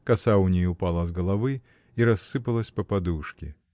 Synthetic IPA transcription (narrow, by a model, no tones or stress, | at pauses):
kɐsaʊnʲejʊpalˠɐzɡəlˠɐvɨ | iɾɐsːɨpəlˠəsʲpɐpɐd̪uʂkʲɪ̰